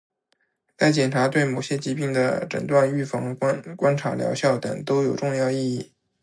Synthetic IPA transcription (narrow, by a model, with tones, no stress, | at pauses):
t͡sa˥˩ɪt͡ɕjɛ˨˩nʈ͡ʂʰa˧˥t̪we˥˩ɪmo˨˩ʊɕjɛ˥t͡ɕi˧˥pi˥˩ŋd̪ə̰˩ʈ͡ʂə̰˨˩nt̪wa˥˧ny˥˩fɑ˧˥ŋ˥kwa˥nʈ͡ʂʰa̰˧˥ljɑ̰˧˥ʊɕjɑ˥˩ʊt̪ɤ̰˨˩ŋt̪o˥ʊjo˨˩ʊʈ͡ʂʊ˥˧ŋjɑ˥˧ʊi˥˧i˥˩